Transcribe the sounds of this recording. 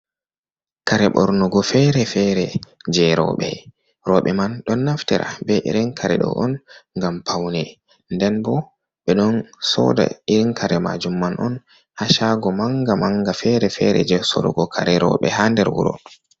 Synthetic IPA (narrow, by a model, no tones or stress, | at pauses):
kaɾɛɓɔ̰ɾnɔɡɔfɛɾɛfɛɾɛd͡ʒɛɾɔ̰ɓɛ | ɾɔɓɛmanɗɔnːaftɛɾʔa̰bɛʔɾɛnkʰaɾɛɗɔ̰ʔɔnŋɡampawnɛ | ndɛnbɔ | ɓɛɗɔnsɔ̰da̰iɾiŋkʰaɾɛma̰d͡ʒumːanʔɔn | haʃaɡɔmaŋɡamaŋɡafɛɾɛfɛɾɛ̰d͡ʒɛsɔ̰ɾɔ̰ɡɔkʰaɾɛɾɔ̰ɓɛ̰handɛɾwṵɾɔ̰